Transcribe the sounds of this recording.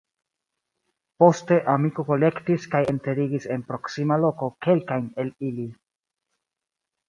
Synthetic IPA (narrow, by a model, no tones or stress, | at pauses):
po̞ste̞ʔamiko̞ko̞le̞ktiskaje̞nte̞ɾiɡise̞npɾo̞ksimalo̞ko̞ke̞lkajne̞lili